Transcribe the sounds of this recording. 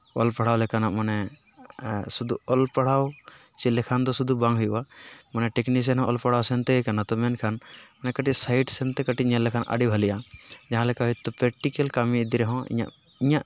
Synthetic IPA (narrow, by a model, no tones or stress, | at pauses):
ɔlpaɽ̤awlɛkanaʔmanɛ | sud̪uɔlpaɽaw | t͡ʃilɛkʰand̪ɔsud̪ubãŋɦujuwamanɛʈɛknis̬ɛnɦɔ̃ʔɔlpaɽ̤awsɛnt̪ɛkanat̪ɔmɛnkʰanmanɛkəʈisajʈsɛnt̪ɛkəʈiʔɲɛlːɛkʰanʔa̰ɖibʱalijad͡ʒaɦãlɛkaɦujt̪ɔpɾɛk̚ʈikɛlkamiid̪iɾɛɦɔ̃ḭɲa̰ʔ | iɲaʔ